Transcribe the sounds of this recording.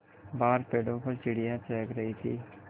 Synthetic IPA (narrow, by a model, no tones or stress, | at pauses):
baːɾpeːɽõːpəɾt͡ʃɪɽijãːt͡ʃɛːkɾəɦiːsʰḭː